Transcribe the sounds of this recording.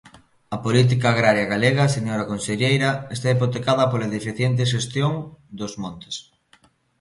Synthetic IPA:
ɐpolit̪̬ikaːɣɾaɾjɐɣaleɣɐseɲoɾɐkonseʎejɾɐest̪aipot̪ekaðɐpolɐðefiθjent̪̬eʃ̬est̪joŋd̪ozmõnt̪e̥s

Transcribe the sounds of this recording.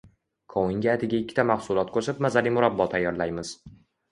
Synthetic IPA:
kʰɒwɪŋɡʲaːt̪ʰɪɡʲaɪkʲʰːɪ̥t̪ʰamahsʊlˠɒt̪̚kʰoʃɪpmazalimʊɾabːɒt̪ʰajːɒɾlajmɪz̥

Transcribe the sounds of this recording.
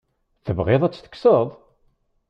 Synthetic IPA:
θəvʁeðˤæt͡sːθə̥kːsəðˤ

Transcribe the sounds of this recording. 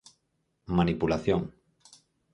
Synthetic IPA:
manipulaθjoŋ

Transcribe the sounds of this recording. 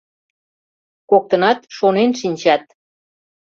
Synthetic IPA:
kok̚t̪ə̆nɑt̪ʃonenʃinʲt͡ɕɑt̪̚

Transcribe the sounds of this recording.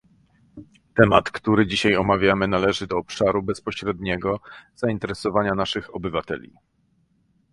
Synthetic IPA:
t̪ɛmat̪kt̪uɾɘd͡ʑiɕajɔmavʲjamɘnalɛʐɘd̪ɔːpʂaɾubɛspɔɕɾɛd̪ɲɛɡɔz̥aint̪ɛɾɛsɔvaɲanaʂɘxɔbɘvat̪ɛ̰lʲḭ

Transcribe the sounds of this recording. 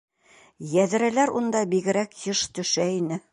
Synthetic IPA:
jæðɘ̆ɾælæɾund̪ɑbiɡɘ̆ɾækjɤʃt̪ɵ̆ʃæinɘ

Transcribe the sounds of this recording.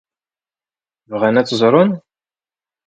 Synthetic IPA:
vʁænæt͡sːzˤɾˤʊn

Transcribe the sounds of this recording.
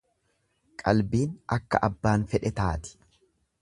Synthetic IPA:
kʼɐlbiːnʔɐkːɐ̰ʔɐbːaːnfɛᶑɛt̪aːt̪ɪ̥

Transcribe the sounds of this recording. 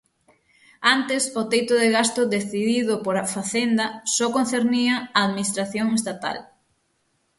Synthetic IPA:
ant̪ɪsʊt̪ejt̪ʊðeɣast̪ʊðeθiðiðʊpoɾafaθend̪ɐsɔkonθeɾniɐaːðminist̪ɾaθjoŋest̪at̪a̰l

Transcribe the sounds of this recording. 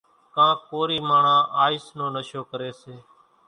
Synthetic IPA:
kãːkoːɾiːmaːɳãːʔaːiːsnõːnəʃoːkəɾeːseː

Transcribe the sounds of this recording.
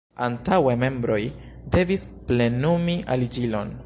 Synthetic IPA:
antaweme̞mbɾo̞j | de̞vis | ple̞numiʔalid͡ʒilo̞n

